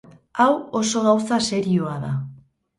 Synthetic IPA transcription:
awo̞so̞ɣawsase̞ɾio̞aða

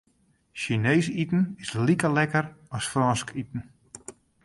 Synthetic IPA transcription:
ʃineːsitn̩ɪslikəlɛkəɾɔsfrɔnskitn̩

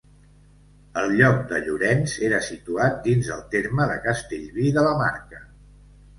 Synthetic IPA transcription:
əlˠʎɔk̚d̪əʎuɾɛnzeɾəsit̪uat̪̚d̪inzəlˠt̪eɾməðəkəst̪eʎβiðələmaɾkə

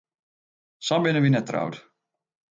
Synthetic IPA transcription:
sabɪnəʋinɛtːra̰wt

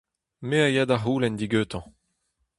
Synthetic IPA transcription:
meajaːd̪aɦuːlɛnd̪iɡøːt̪ɑ̃

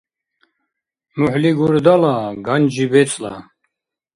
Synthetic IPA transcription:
muħliɡuɾd̪alaɡand͡ʒibɛt͡sʼla̰

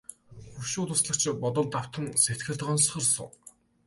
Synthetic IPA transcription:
xuʃʊːt̪ʊsɮə̆kt͡ɕpɔt̪ɞ̆ɮt̪aw̥t̪ʰə̆nset̪̚ɡɘ̆ɮt̪ɢɔnsχə̆rsʊ̰ŋ

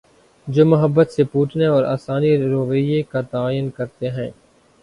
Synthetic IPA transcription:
d͡ʒoːmʊɦəbːət̪sepuːʈneɔːɾa̰ːsaːniɾoːʋijekat̪aːjənkɐɾt̪eɦɛ̃ː

